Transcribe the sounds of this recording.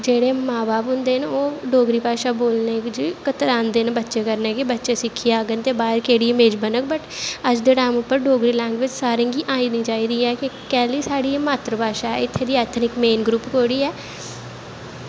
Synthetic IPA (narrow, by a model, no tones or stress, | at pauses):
d͡ʒeːɽeːmãːbaːpɦʊ̃nd̪eːnoːɖoːɡɾiːpaːʃaːboːlneːkd͡ʒkət̪əɾãːnd̪eːnbətːʃeːkəɾneːkɪbətːʃeːsɪkʰːijaːɡənt̪eːbaːɪɾkeːɽiːmeːd͡ʒbənək̚bəʈəd͡ʒd̪eːʈaːmʊpːəɾɖoːɡɾiːlɛ̃ːŋɡʋɪt͡ʃsaːɾẽːɡiːʔaːĩːnĩːt͡ʃaːiːɾiːɛːkɪkɛːliːsaːɽiːmaːt̪ɾəpaːʃaːɛːɪt̪ʰːeːd̪iːɛːt̪ʰnɪkmeːnɡɾuːpkoːɽiːɛː